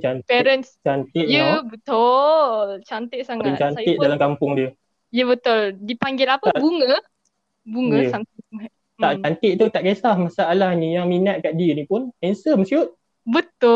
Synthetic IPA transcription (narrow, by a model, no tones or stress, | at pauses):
t͡ʃant̪pɛʔɾənst͡ʃant̪ɪʔjəbət̪olt͡ʃant̪ɪʔsaŋaənt͡ʃanɪʔ̚dalamkampʊŋdiə | jəbət̪ʊldipaŋɡɪlapəbuŋə | buŋəəsamt̪ŋŋa | aʔt͡ʃant̪ɪʔt̪ut̪aʔkesahmasaʔalahnijaŋminat̪̚kaʔ̚diənipʊnɛnsəmsiuʔ̪̚ | bət̪ʊ